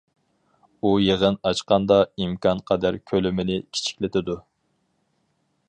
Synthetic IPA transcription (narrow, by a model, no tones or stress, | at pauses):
ujeʁənɑt͡ʃqɑnd̪ɑimkʰɑnqʰɑd̪æɾkʲʰølɪmɪnɪkʲʰi̥t͡ʃʰi̥kʲlɪt̪ʰɪd̪u